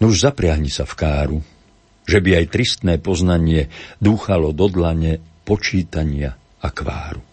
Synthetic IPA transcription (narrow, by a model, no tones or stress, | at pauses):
nuʒzapɾɪaɦɲisafkaːɾu | ʒɛbiajt̪ɾist̪nɛːpɔznaɲɪɛd̪uːxalɔd̪ɔd̪laɲɛpɔt͡ʃiːt̪aɲɪa | akʋa̰ːɾu